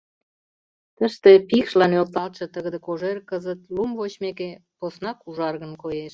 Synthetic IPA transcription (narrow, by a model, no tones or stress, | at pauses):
t̪əʃt̪epikʃlɑnølt̪ɑlt̪ʃĕt̪əɣəd̪ĕkoʒerkəzət̪lumvot͡ɕmekeposnɑkuʒɑrɣə̆nkojeʃ